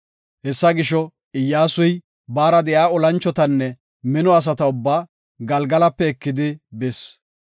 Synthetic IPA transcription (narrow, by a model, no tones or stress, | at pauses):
hɛsːɐɡɪʃɔ | ɪjːaːsʊj | baːɾɐd̪ɛjaːɔlɐnt͡ʃːɔt̪ɐnːɛ | mɪnɔɐs̬ɐt̪ɐʊbːaː | ɡɐlɡɐlɐpːɛːkːɪd̪ɪbɛs